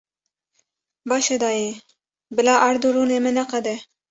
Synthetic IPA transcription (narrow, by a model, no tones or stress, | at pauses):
bɑʃed̪ɑje | bɪlɑːʔaɾd̪uɾunemɪnaqad̪e